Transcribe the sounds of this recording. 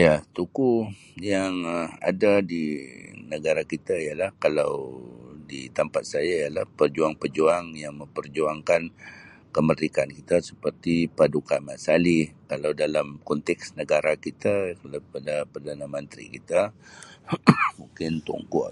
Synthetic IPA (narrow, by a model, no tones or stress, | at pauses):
jat̪uku | jaŋa̰dadinəɡaɾakit̪aijalahkalawdḭt̪ampat̪̚sajaijalahpərd͡ʒuaŋpərd͡ʒuaŋjaŋmə̃mpərd͡ʒuaŋkan | kəmərikankit̪asə̥pərt̪ipadukamasalikalawdalamkɔnt̪ɛksnəɡaɾakit̪akalapadapərdanamənt̪ɾḭkit̪a | muŋkɪnt̪ṵŋkɔ̰